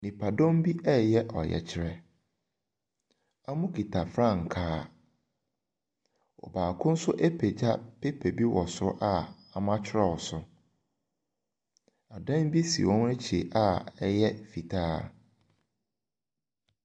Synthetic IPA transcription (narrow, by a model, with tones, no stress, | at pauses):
nĩ˨pʰa˨dɔ̃˦m˦bi˦ʔɛ˦jɛ˦ʔɔ̰˨jɛ̰˨t͡ɕʰɪ˨˦ɾɛ˨ | a˦mʊ̃˦kʰi˨tʰa˨fɾã˦˨ŋ̩˨kʰaː˦ | ɔ̰˨baː˨kʰʊ̃˦n̩˦sʊ˦ʔɛ˦pʰe˨d͡ʑa˦pʰe˦pʰe˨bi˦wɔ˨sʊ˦ʔa˦ | a˨mã˦t͡ɕʰɪ˦ɾɛ˦˨ɔ˨sʊ˨ | a˨dã˦n˦bi˦si˨wɔ̃˦nɛ˦t͡ɕʰi˨e˨ʔa˦ɛ˦jɛ˦fi˨tʰaː˦